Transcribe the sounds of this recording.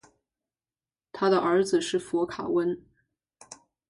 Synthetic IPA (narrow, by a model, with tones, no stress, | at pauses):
t̪ʰa˥d̪ə˨ʔə˞˧˥d͡zɹ̩˧ʂɻ̩˥˩fɔ˧˥kʰa̰˨˩wə˥n